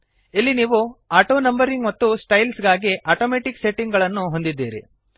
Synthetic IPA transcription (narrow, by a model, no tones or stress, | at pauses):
ilːiniːʋuaːʈoːnɐmbɐɾiŋɡmɐt̪ːusʈɐjlsɡaːɡiʔaːʈoːmeːʈikseʈːiŋɡɐɭɐnːuɦo̞nd̪id̪ːiːɾḭ